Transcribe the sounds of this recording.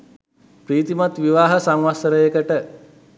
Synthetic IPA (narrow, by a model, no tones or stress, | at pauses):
pɾiːt̪imat̪ʋiʋaːɦəsaŋʋasəɾəjekəʈə